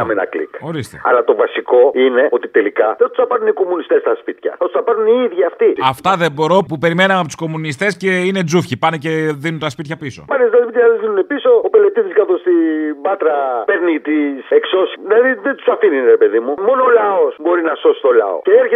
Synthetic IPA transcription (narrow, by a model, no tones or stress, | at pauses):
ɐmenɐ̰klḭko̞ɾist̪eɐ̰lɐt̪o̞vɐsiko̞ine̞o̞t̪it̪e̞likɐðet̪u̥sɐpɐɾuniko̞munist̪est̪ɐspit̪çɐ̰ɐt̪u̥sθɐpɐɾuniiðʝiɐft̪iɐft̪ɐðe̞bo̞ɾo̞pupe̞ɾime̞nɐmɐpot̪u̥sko̞munist̪e̞sceine̞d͡zufçipɐnece̞ðinunt̪ɐspit̪çɐpiso̞̰pɐnest̪ɐspit̪çɐðeðinunepiso̞ope̞let̪iziskɐθost̪ibɐt̪ɾɐpeɾnit̪isekso̞sðilɐðiðet̪u̥sɐfininɾepe̞ðimumo̞noːlɐosbo̞ɾinɐso̞si̥t̪olɐ̰o̰ceeɾçe